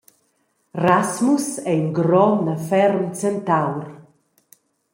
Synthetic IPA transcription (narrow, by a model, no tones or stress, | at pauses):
rasmusɛinɡɾɔnəfɛɾmt͡sɛnt̪awɾ